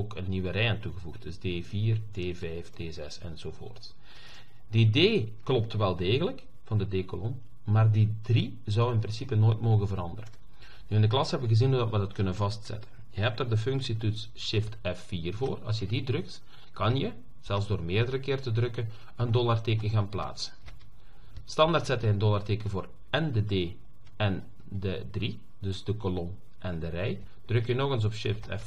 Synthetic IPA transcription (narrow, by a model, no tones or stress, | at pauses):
okənːiwəɾɛjəntuɣəvuxt̚dɵzdeːviːrdeːvɛjfd̥eːzɛsɛ̰nz̥oːvo̰ːrts | dideːklɔp̚tʋɛlˠdeːɣələk | v̥ɑndədeːkolɔn | maːrdidri | zɔwɪnprɪnsipənoːjtmoːɣənvəɾɑndərən | nyɪndəklɑsɦɛbəʋəɣəzinudɑtʋədɑtkɵnənvɑstsɛ̰tən | jəɦɛp̚taːrdəfʏŋksituts | ʃɪftɛfːiːrvoːrɑ̰lˠs̬jədidrɵk̚t | kɑnjə | z̥ɛlˠzdoːrmeːrdəɾəkɪːrtədrɵkə | əndɔlarteːkəɣaːnpla̰ːtsə̥n | stɑndartsɛtɪŋəndɔlarteːkəvoːr | ɛndədeː | ɛn | dədri | dɵzdəkɔlɔn | ʔɛndərɛj | d̥rɵkjənɔɣəns̬ɔpʃɪftʰɛ̰f